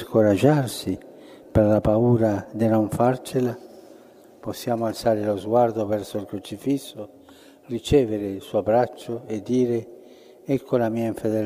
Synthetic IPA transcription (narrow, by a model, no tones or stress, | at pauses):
skoɾad͡ʒarsi | perlapauːɾad̪inoɱfart͡ʃela | posːjaːmoalsaːɾelozɡward̪ovɛrsoilkɾot͡ʃifisːo | rit͡ʃɛːveɾeilsuːabɾat͡ʃːoed̪ːiːɾe | ɛkʰːolamiːaiɱfed̪ɛl